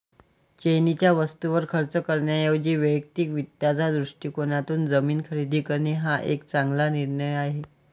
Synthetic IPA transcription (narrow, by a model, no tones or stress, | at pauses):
t͡ɕenit͡ɕjaʋəst̪uʋəɾkʰəɾt͡səkəɾɳjajeʋd͡ʑiːʋəjək̚t̪iːkʋit̪jad͡zad̪ɾuʂʈiːkoɳat̪uːnd͡zəmiːnkʰəɾid̪ʱiːkəɾɳiɦaʔḛkt͡saŋɡlaniɾɳəjaɦe